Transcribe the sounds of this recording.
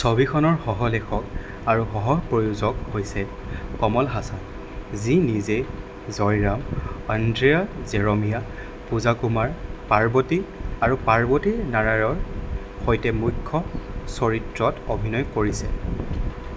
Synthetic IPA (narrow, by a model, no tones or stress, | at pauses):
sobikʰɔnɔɹxɔɦɔlexʰɔk | aɹuxɔɦɔpɹojuzɔkhojsɛ | kɔmɔlɦasan | zinize | zɔjɹamandɹiazɛɹɔmija | puzakumaɹpaɹbɔtiaɹupaɹbɔtinaɹajɔɹ | xojtɛmujkʰːɔsɔɹitɹɔtobʱinɔjkoɹisɛ̰